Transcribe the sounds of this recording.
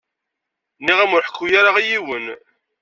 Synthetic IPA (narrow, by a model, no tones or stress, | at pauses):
niʁæmʊɾħə̥kːujaɾaʁijiwən